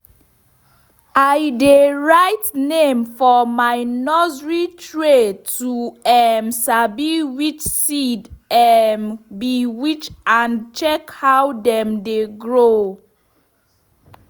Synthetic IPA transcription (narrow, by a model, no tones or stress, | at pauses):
ajdeɹajtnẽmfɔmajnɔzɹitʰɹetʰuɛmsabiwit͡ʃsidɛmbiwit͡ʃãnt͡ʃɛkhawdɛ̃mdeɡɹo